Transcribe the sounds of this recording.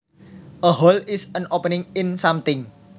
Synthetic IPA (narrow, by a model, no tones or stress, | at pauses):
ʔəɦɔlɪsənopənɪŋɪnsamt̪ɪŋ